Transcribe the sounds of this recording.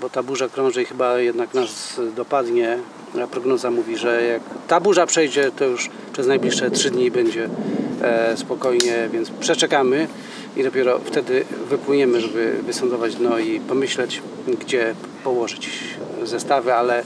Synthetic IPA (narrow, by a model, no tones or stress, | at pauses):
bɔt̪abuʐakɾɔ̃w̃ʐɛixɘbajɛd̪naknasd̪ɔpad̪ɲɛ | apɾɔɡnɔzamuvʲiʐɛjakt̪abuʐapʂɛjd͡ʑɛt̪ɔjuʂ | pʂɛznajblʲiʂʂɛtʂɘd̪ɲibɛɲd͡ʑɛ | spɔkɔjɲɛvʲjɛntspʂɛt͡ʂɛkamɘ | id̪ɔpʲjɛɾɔft̪ɛd̪ɘvɘpwɘɲɛmɘʐɛbɘ̰vɘsɔnd̪ɔvad͡ʑd̪nɔipɔmɘɕlɛt͡ɕ | ɡd͡ʑɛ | pɔwɔʐɘt͡ɕzɛst̪avɛalɛ